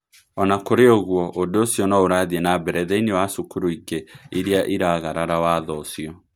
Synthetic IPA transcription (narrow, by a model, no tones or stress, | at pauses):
ɔnakoɾeoɣwɔʔodoosjɔnaoɾaðienabɛɾɛðɛinewasukuɾoikeiɾeaʔiɾaɣaɾaɾawaːðɔsiɔ